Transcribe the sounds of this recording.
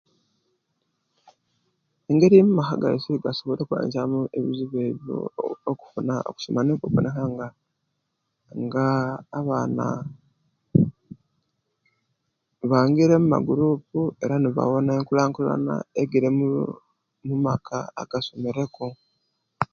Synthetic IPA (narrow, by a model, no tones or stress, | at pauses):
e̞ŋɡe̞ɾimumaxaɡa̰isiɡaso̞βoɾekuwa̰ːɲɟamueβiziβeβjo̰ːku̥funao̰ku̥so̰manekeβo̰nexaŋɡa | ŋɡaːβaːna̰ | βaːŋɡiɾe̞muma̰ɡuɾuːp̚ue̞ɾaniβa̰wo̞naeŋkulaːŋkula̰na̰eɡiɾemu | mumakʰa̰aɡ̥asomiɾe̞ko